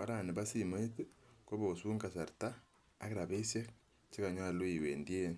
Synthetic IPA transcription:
a˦ɾa˨ni˨ba˦si˨mo˦i˦tu˦ko˦βo˨suː˦ŋɡa˨sa˨ɾtaː˦ | ke˦ɾa˨βe˦sja˦ | t͡ʃi˦ka˨ɲwa˦˨lo˦i˨we˨ndi˦e˦n

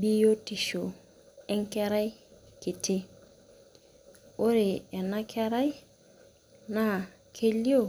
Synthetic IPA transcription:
bi˦jo˦ti˨ʃo˨ | ɛ˦ŋ̩˦kɛ˦ɾa˦jkɪ˨tʰɪ˦ | o˦ɾɪ˨ɛ˨na˦kʰɛ˦ɾa˦j | na˨ | kʰe˦li˦o˦˨

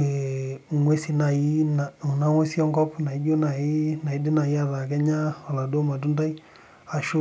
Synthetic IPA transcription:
e˨ŋwe˦si˦na˨i˦na˨u˨na˦ŋwe˦si˦ɔ˦ŋɡɔ˦pna˨i˦d͡ʒo˦na˨i˦na˨i˦di˦na˨i˦a˦ða˨kɛ˦ɲa˦ɔ˨la˨do˦ma˨t̬u˦nda˦i˦ | a˨ʃo˦

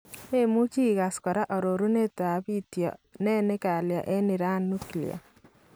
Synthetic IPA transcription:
me˦mu˦t͡ʃi˦˨ɣa˨skɔ˨ɾa˦ʔɔ˨ɾo˨ɾu˦ne˦t̪a˨βi˦t̪jɔ̰˨nɛ˦ne˦ka˨lja̰˨ʔe˦ni˨ɾa˦nu˦kilj̰a̰˨

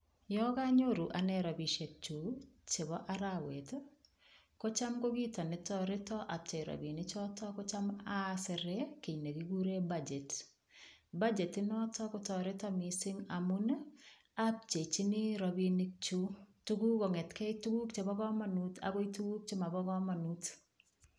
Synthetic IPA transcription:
jɔ˦ka˦ɲo˦ɾu˨ʔa˨nɛ˦ɾɔ˨bi˨ʃe˨k̚t͡ʃu˨t͡ʃe˨bɔ˦ʔa˦ɾawe˨t | ko˦t͡ʃa˦mko˦ɡi˦tɔ˨nɪ˨tɔ˦ɾɪ˦tɔ˦ʔa˨p̚t͡ʃe˨ɾɔ̰˨bi˨nɪ˦t͡ʃɔ˦tɔ˦ko˦t͡ʃa˦ma˦sɪ˨ɾe˦ki˨ɲne˨ɡi˨ɡu˦ɾe˦bad͡ʒe˨t | ba˦d͡ʒe˨tɪ˦nɔ˦tɔ˦ko˦tɔ˨ɾɪ˦tɔ˦mi˨sɪ˦ŋa˨mu˦n | a˦p̚t͡ʃe˨t͡ʃɪ˦nɪ˦ɾɔbi˦nik̚t͡ʃu˦tu˦ɡu˦kɔ˨ŋɛ˨tkɛ˦itu˦ɡu˦k̚t͡ʃe˨bɔ˦kɔ˦ma˨nuta̰˨ɡo˦itu˦ɡu˦k̚t͡ʃɪ˦ma˨bɔ˦ɡɔ˦ma˨nut

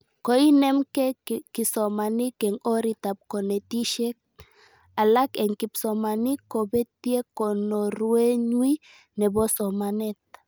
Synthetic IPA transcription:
kɔ˨i˦nɛ˦mkɛ˦ki˨sɔ˨ma˨ni˦kɛ˨ŋɔ˦ɾi˦ta˨p̚kɔ˨nɛ˨ti˦ʃɛ˦k̚ | a˨la˦kɛ˨ŋki˨psɔ˨ma˨ni˦kɔ˨bɛ˦tje˦kɔ˨nɔ˨ɾwe˦ɲwi˦ | nɛ˨bɔ˦sɔ˨ma˨nɛ˦t̚

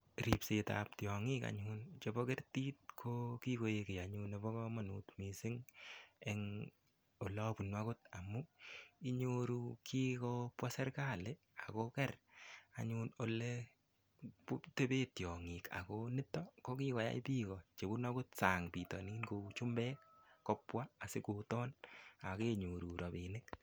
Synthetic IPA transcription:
ɾi˨pseta̰p̚tjɔ˨ŋi˦ka̰˨ɲunt͡ʃe˨bɔ˦kɛ˦rti˦t̚kʰoki˦ko˨jeke˨a˨ɲune˨bɔ˦kɔ˦ma˨nṵ˨tmi˨sɪ˦ŋɛŋ | o˨lɔ˦pu˨nwa˦kʊ˦t̚a˨mu˦i˦ɲoɾu˦kʰi˦kɔ˦pwa˦sɛ˦ɾka˦˨le˦ | a̰˨kɔ˦kɛ˦ra˨ɲuno˨le | pu˦te˦be˦tjɔ˨ŋi˨ka̰˨ko˦nɪ˦tːɔ˦ko˦ki˦kɔ˨ja̰˦i˦piː˦kɔ˨t͡ʃe˨bu˦na˦kʊ˦t̚sa˨ŋpi˨tɔ̰˨niː˦nko˧t͡ʃu˦mbɛː˦k̚ːɔ˦pwa˦a˨sɪ˦ku˨tɔ˦na˨ke˦ɲo˨ɾu˨ɾɔ˨binɪ˦k̚

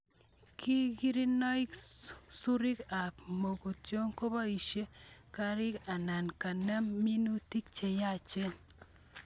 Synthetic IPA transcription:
ki˦ɡi˦ɾi˦nɔ˦ɪ˦ksu˦ɾi˦ka˨pmo˨ɡo˨tjo˦ŋko˦ba˦i˨ʃje˦ka˦ɾɪ˦ka˨na˨nka˨nɛ˦mːi˦nu˦ti˦k̚t͡ʃe˨ja˦t͡ʃe˦

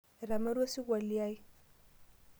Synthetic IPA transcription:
ɾa˨ma˦ɾa˦si˦ɡʷa˨li˦ja˦i˦

